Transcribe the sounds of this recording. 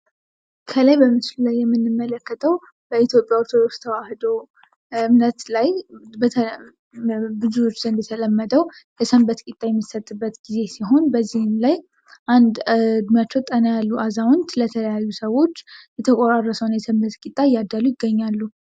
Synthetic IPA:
kʰəlajbəmɨt͡ʃllajːɛmːɨnːɨmːələkːət̪ʰəw | bəit̪ʰjo̞pʼjaoɾt̪ʰod̪o̞kst̪ʰəwahd̪o | ɨmnət̪lajbəə | bɨzuwo̞t͡ʃːzənd̪jɛt̪ʰələmːəd̪əwjɛsəmbət̪kʼit̪ʼːajɛmːisət̪ʼːɨbːət̪ɡize̞siɦo̞nbəzːihnlaj | ʔand̪d̪mjat͡ʃːɛwt̪ʼːənəjalːuʔazawʊnt̪lət̪ʰələjajːusəwo̞t͡ʃːjɛt̪ʰəkʼoɾarːəsəwnjɛsəmbət̪kʼit̪ʼːaɪjːad̪ːalujɪɡːəɲːalːu

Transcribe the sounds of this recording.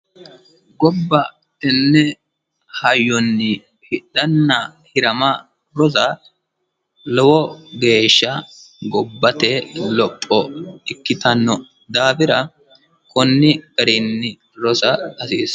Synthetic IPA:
ɡɔbːɐ | ɛnːɛ | hɐjːɔnːɪ | hɪᶑɐnːɐhɪɾɐmɐ | ɾɔzɐ | lɔwɔɡe̞ːʃːɐɡɔbːɐt̪ɛlɔpʼːɔɪkːɪt̪ɐnːɔ | d̪aːfɪɾɐ | kʰɔnːɪɡɐɾɪnːɪ | ɾɔsɐɐsiːs

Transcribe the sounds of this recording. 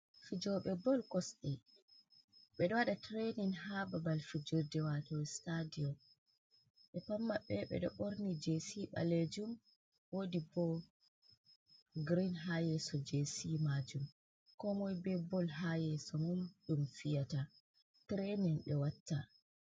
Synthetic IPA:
fid͡ʒɔɓɛbɔlkɔsɗɛ | ɓɛɗɔwaɗatɾeninhababalfid͡ʒodɛwatɔstadiɔm | ɓɛpamːaɓɛɓɛ̰ɗɔ̰ɓoɾnid͡ʒesiɓa̰led͡ʒum | wodibɔ | ɡɾinɦajɛsɔd͡ʒesimad͡ʒum | kɔmɔjbɛbɔlɦajɛsɔmumɗumfijata | tɾeninɗɛwatːa

